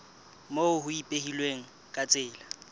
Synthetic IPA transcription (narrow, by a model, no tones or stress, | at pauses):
moʊhʊipʼehilweŋ̩ | kʼat͡sʼɪːla